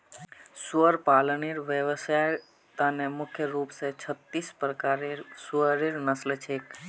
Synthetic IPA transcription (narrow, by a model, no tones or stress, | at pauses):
səɾpaləniɾʋəʋəsaj | t̪anemʊkʰjəɾupset͡ʃʰət̪ːispɾəkaɾeɾsəɾiɾnəslt͡ʃʰek